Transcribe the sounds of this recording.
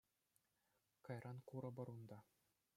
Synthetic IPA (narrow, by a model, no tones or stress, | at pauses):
kɑjrʔɑnkuɾɤ̆bɤ̆ɾund̪ɑ